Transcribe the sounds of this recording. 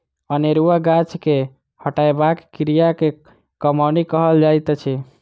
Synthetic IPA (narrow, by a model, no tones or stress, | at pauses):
əneɾuaɡat͡ʃke | həʈajbakkɾijake | kəmanikəɦəld͡ʒajt̪t͡ʃʰɛ